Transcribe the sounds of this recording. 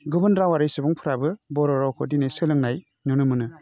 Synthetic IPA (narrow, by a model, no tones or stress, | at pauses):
ɡubɯnɾawaɾijsɯbɔŋpʰɯɾabɯbɔɾɔɾawkʰɔdinesɯlɯŋnaj | nunɯmɯnɯ